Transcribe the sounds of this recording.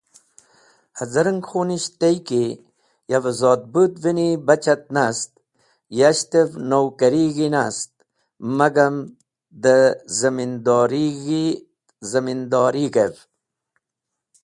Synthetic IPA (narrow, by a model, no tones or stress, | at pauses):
hɐzɐɾəŋɡxoniɕt̪ejki | javzɔːd̪̚bud̪vinibɐt͡ɕɐt̪̚nast̪ | jaɕt̪evnowkɐɾiɣinast̪̚ | mɐɡɐm | d̪əzɐmind̪ɔːɾiɡi | zɐmind̪ɔːɾiɡev